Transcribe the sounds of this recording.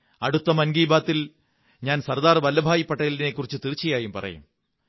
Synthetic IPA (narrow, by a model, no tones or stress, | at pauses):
ɐɽut̪ːɐmɐnɡiːbaːt̪ːil | ɲaːnsɐrd̪aːrʋɐlːɐbʱaːjipːɐʈːɐjɐline̞kːurit͡ɕːɨt̪irt͡ɕːijaːjumpɐ̰rɐ̰jṵm